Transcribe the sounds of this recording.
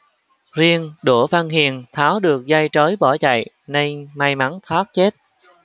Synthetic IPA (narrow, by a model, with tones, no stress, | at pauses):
zi˧ənɗu˧˩vaː˧nhi˨˩ənt̪ʰaː˨˦wɗɨ˨˩ək̚za˧jt͡ɕə˨˦jɓɔ˧˩t͡ɕa̰˧˨j | nə˧jma˧jma˨˦ŋt̪ʰwaː˦˥t̚t͡ɕe˦˥t̚